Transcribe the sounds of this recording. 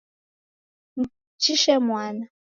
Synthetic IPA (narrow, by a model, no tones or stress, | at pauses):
m | t͡ʃiʃɛmwaːna